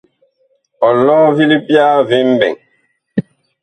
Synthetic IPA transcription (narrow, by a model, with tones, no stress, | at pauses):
ɔ˨lɔː˦vi˦li˦bja˦vi˦m˦bɛ̰˨ŋ